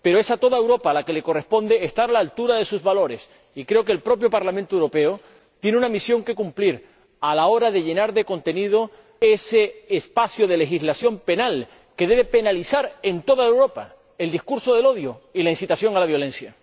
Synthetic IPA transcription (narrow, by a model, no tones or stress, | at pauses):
peɾo̞e̞sat̪o̞ðae̞wɾo̞paːlake̞le̞ko̞re̞spo̞nd̪e̞eːst̪aɾalaːlt̪uɾaðe̞suzβalo̞ɾe̞s | ikɾe̞o̞ke̞ːlpɾo̞p̬jo̞paɾlamẽnt̪oewɾo̞pe̞o | t̪je̞neunamisjo̞ŋke̞kumpliɾ | alao̞ɾaðe̞ʝe̞naɾðe̞ko̞nt̪e̞niðo̞ | ese̞ːspasjoðe̞le̞xislasjo̞mpe̞nal | ke̞ðe̞βe̞pe̞nalisaɾe̞nt̪o̞ðaewɾo̞pa̰ | e̞ld̪iskuɾso̞ðe̞lo̞ðjoilainsit̪asjo̞ŋalaβjo̞lẽ̞nsja